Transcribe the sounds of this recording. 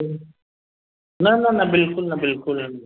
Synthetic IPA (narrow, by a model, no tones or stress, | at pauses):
nananabɪlkʊlnabɪlkʊlan